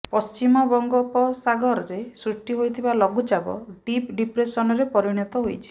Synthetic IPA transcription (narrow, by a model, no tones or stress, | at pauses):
pɔst͡ʃimɔbɔŋɡɔpɔsaɡɔɾɔɾesɾuʈːiɦojt̪ʰibalɔɡud͡ʒabɔ̰ɖipɖipɾesɔnɔɾepɔɾiɽ̃ɔt̪ɔɦojt͡ʃʰi̥